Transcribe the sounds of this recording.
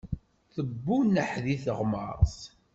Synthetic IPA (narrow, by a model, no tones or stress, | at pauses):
θəbːunəħðiθəʁmə̰ɾˤs